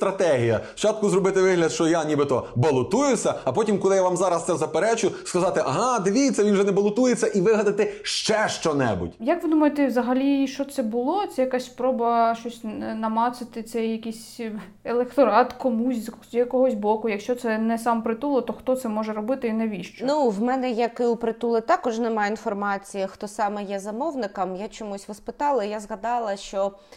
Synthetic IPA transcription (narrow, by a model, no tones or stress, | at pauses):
st̪ɾɐt̪ɛɦʲijɐ̰ft͡ʃɑt̪̚kʊzɾɔbɪt̪ɪʋɪɦlʲɐd̪ʃt͡ʃɔjanʲibɪt̪ɔbɐlˠʊt̪ujʊsʲɐɐpɔtʲimkɔlˠɪjaʋɑmzɑɾɐst̪sɛzɐpeɾɛt͡ʃʊskɐzɑt̪ɪʔɐɦɑd̪eʋʲijet͡sʲːɐʋinwʒɛnɛbɐlˠʊt̪ujet͡sʲːɐʔiʋɪɦɐd̪ɐt̪ɪʃt͡ʃɛʃt͡ʃɔnɛ̰bʊ̰tʲjɐkʋɪd̪umɐjet̪ɛʋzɐɦɐlʲiʃt͡ʃɔt̪sɛbʊlˠɔt̪sɛjɐkasʲspɾɔbɐʃt͡ʃɔsʲnɐmɑt̪sɪt̪ɪt̪sɛjːɐkʲisʲ | eɛlˠekt̪ɔɾɑt̪kɔmusʲz | jɐkɔɦɔsʲbɔkʊjɐkʃt͡ʃɔt̪sɛnɛsɑmpɾɪt̪ulˠɔt̪ɔxt̪ɔt̪sɛmɔʒɛɾɔbɪt̪ɪinɛʋʲiʃt͡ʃɔnuwmɛnɛjɐkɪupɾɪt̪ulˠɪt̪ɑkɔʒnɛmɑjinfɔrmɑt͡sʲijɐxt̪ɔsɑmɛjɛzɐmɔwnɪkɐmjat͡ʃɔmusʲʋɐspɪt̪ɑlˠɐjazɣɐd̪ɑlˠɐʃt͡ʃɔ